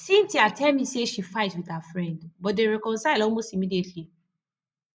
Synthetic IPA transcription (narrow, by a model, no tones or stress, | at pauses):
sĩmteatʰɛlmĩseʃifaɪtwiðhafɹɛ̃ndbɔtdeɹɛkɔ̃nsaɪldɔlmostimidietʰli